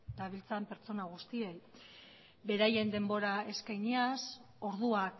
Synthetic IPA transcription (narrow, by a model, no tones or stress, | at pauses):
d̪aβ̞ilt͡sampe̞ɾt͡so̞naɣ̞ust̪iej | be̞ɾaje̞nd̪e̞mbo̞ɾae̞skajɲias | o̞ɾðuak